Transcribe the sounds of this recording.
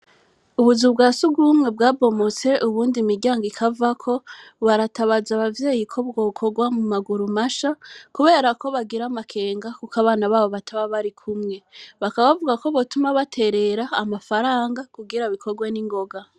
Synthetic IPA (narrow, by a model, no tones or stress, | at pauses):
uβuzubɡaːsuɡuːmŋe̞bɡaːbo̞mot͡se̞ʔuβuːndimiɾɟaːŋɡikʰavakʰo̞βaɾataβaːzaβavje̞ːjikʰo̞bɡoːkʰo̞ɡwamumaɡuɾumaʃakuβe̞ːɾako̞βaɡiɾamakʰe̞ːŋɡakukaβaːnaβaːβo̞βatʰaβaβaɾikʰumŋe̞βakaβavuɡako̞βotumaβatʰe̞ɾe̞ɾaːmafaɾaːŋɡakuɡiɾaβikʰo̞ɡweniŋɡo̞ɡa